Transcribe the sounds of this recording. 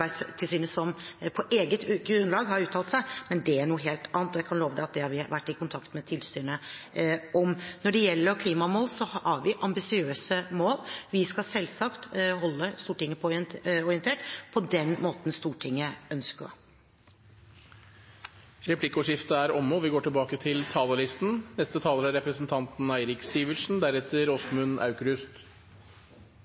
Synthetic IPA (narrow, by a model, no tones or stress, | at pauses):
æɪst̪ʰɪlsyːnəsɔmpʰɔʔeːɡət̪ɡɾʉnlɑːɡhɑɾʉːt̪ʰːɑlt̪sæɪmɛnd̪ɛæɳuːɦeːlt̪ɑːnət̪ɔjæɪkʰɑnloːʋəd̪ɛɑt̪̚d̪ɛhɑɾʋɪʋæʈːɪkʊnt̪ʰɑkt̪mɛt̪ʰɪlsyːnə | ʔɔmnɔɖɛjɛlːəɾkʰliːmɑmoːlsɔhɑɾʋɪʔɑmbɪsɪøːsəmoːlʋɪskɑsɛlːsɑkt̪ɦɔlːəst̪uːʈɪŋːəpʰɔɔɾɪənt̪ʰeːʈpʰɔd̪ɛnmoːt̪n̩st̪uːʈʰɪŋːəœnskə̰ | ɾɛpʰlɪkːəɔʂɪft̪əæɾɔmːəɔʋɪɡoːʈɪlbɑːkət̪ʰɪlt̪ʰɑːləlɪst̪n̩nɛst̪ət̪ʰɑːləɾæɾɛpɾəsnt̪ʰɑnt̪n̩æɪɾɪksiːʋəʂn̩d̪æɾɛt̪ʰːəɾɔsmʉnʔɑ̰ʉkɾʉst̪